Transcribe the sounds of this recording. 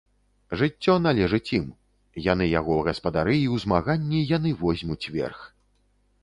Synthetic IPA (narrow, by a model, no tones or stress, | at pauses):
ʐɨt͡sʲːɔnalʲɛʐɨt͡sʲim | janɨjaɣɔɣɐspɐd̪aɾɨiwzmaɣanʲːijanɨvɔzʲmʲut͡sʲvʲɛ̰rx